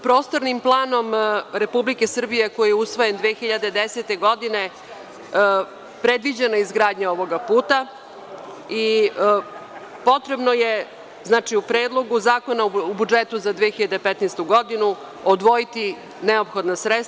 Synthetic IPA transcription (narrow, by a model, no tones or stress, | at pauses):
pɾo̞ːst̪oɾnimplˠaːno̞mɾepublike̞sr̩bije̞ko̞jijeusʋo̞je̞nd̪ʋeːxiʎad̪ed̪eset̪e̞ɡo̞d̪ine̞ | pɾe̞d̪ʋid͡ʑenoizɡɾaːd̪ɲao̞ʋo̞ɡapuːt̪a | i | po̞t̪ɾe̞bnoje | znaːt͡ʃiupɾeːd̪lˠo̞ɡuzaːko̞nauubud͡ʒet̪uzad̪ʋexiʎad̪epɛt̪nest̪uɡo̞d̪inu | od̪ʋo̞jit̪i | neo̞pxo̞d̪nasɾet̪s